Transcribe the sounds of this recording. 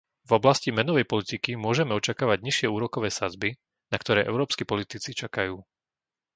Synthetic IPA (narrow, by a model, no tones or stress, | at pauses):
vɔblascimɛnɔʋɛjpɔlit̪ikimʊɔʒɛmɛɔt͡ʃakaːʋaɟɲiʃɪɛuːɾɔkɔʋɛːsad͡zbi | nakt̪ɔɾɛːʔɛ̰ʊɾɔːpskipɔlit̪it͡sit͡ʃakajuː